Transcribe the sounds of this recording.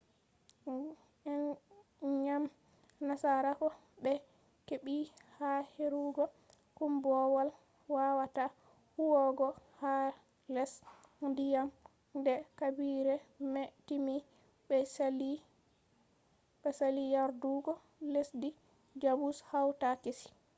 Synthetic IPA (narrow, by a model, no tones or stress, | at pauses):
ɛn | ɲam | nasaɾakɔ | ɓɛ | keɓihaheɾuɡɔ | kumbɔwal | wawata | huwɔɡɔha | lɛsndijam | ndɛkabiɾɛmɛtimi | bɛsli | ɓɛsalijaɾduɡɔ | lesdi | d͡ʒabushawtakesi̥